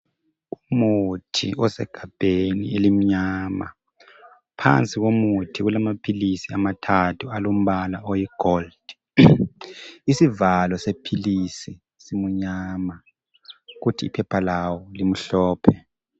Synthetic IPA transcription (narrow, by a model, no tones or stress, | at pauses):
umutʰiɔsɛ̰ɡ̥ʱab̥ʱenielim̩ɲaːma̰ | pʰa̰nt͡sʼiɣomutʰiɣulamapʰilisiamatʰatʰualom̩βalaɔjiɡ̥ʱold̥ | isivalɔsepʰilisi | simuɲama | ɣutʰḭːpʰɛpʰalawɔlim̩ɬɔːpʰɛ